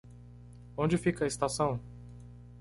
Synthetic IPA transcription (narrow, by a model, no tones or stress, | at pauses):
õnd͡ʒɪfikɐɪst̪asɐ̃w̃